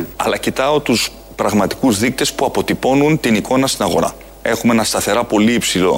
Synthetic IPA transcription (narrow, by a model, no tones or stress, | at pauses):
ɐ̰lɐcit̪ɐo̞t̪us | pɾɐɣmɐt̪i̥kuzðik̚t̪e̞spuɐpo̞t̪ipo̞nunt̪iniko̞nɐst̪inɐɣo̞ɾɐ̰ | e̞xumee̞nɐst̪ɐθe̞ɾɐpo̞liipsilo̞̰